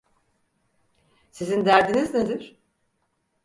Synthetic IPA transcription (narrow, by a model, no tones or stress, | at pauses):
sizind̪æɾd̪inizned̪iɾ̥